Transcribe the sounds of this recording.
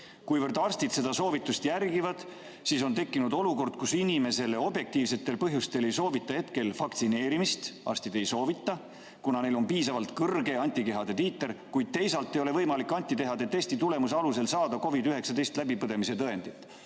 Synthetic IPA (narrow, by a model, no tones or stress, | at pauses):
kujvɤrd̪̥ɑrst̪id̪se̞d̪ɑso̞ːvit̪ːˑust̪jærɡivɑd̪̥ | siso̞nt̪e̞kːˑinud̪o̞luko̞rd̪̥kusinime̞se̞le̞o̞bje̞k̚t̪iːvse̞t̪ːˑe̞lpɤɦjust̪e̞le̞jso̞ːvit̪ːˑɑhe̞t̪ke̞lfɑkt̪sine̞ːɾimist̪ɑ̰rst̪id̪̥e̞jso̞ːvit̪ˑːɑ | kunɑne̞jlo̞mpiːsɑvɑlt̪kɤrɡe̞ɑnʲt̪ʲːike̞ɦɑd̪̥e̞t̪iːt̪ːˑeɾkujd̪̥̚t̪e̞jsɑlt̪ːˑe̞jo̞le̞vɤjmɑlikˑːɑnʲt̪ʲːit̪e̞ɦɑd̪e̞t̪e̞st̪it̪ule̞mus̬ɑluse̞lsɑːd̪̥ɑko̞vid̪yɦe̞ksɑd̪e̞jst̪læb̥ipɤd̪e̞mise̞t̪ɤe̞nd̪̥it̪ːˑ